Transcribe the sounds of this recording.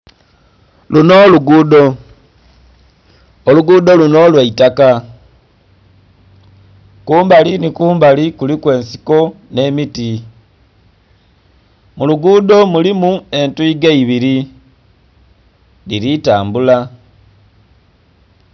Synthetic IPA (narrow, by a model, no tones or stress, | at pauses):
luno̞luɡudo | oluɡuːdo̞luno̞ːlweitaka | kuːmbalinikuːmbalikulikwe̞ːnsi̥ko̞ne̞miti | muluɡuːdo̞mulimue̞ntuiɡeiβiɾi | liɾitaːmbula